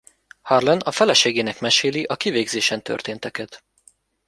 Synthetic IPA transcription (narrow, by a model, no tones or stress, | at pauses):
hɒrlɛnɒfɛlɛʃeːɡeːnɛkmɛʃeːliʔɒkiveːɡzeːʃɛnt̪ø̰rt̪eːnt̪ɛkɛt̪